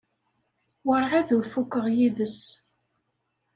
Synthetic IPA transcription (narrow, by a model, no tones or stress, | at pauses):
wəɾˤʕæðuɾfukːəʁjiðəs